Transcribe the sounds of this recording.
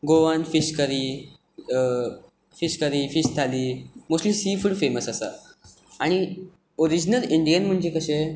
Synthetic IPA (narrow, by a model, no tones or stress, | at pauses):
ɡoʋanfiɕkəɾiː | fiɕkəɾiːfiɕt̪ʰaliːmuslisifuɽfeməsəsa̰ | aɽ̃i | oɾid͡ʑnəliɳɖijənm̤əɳd͡ʑekəɕe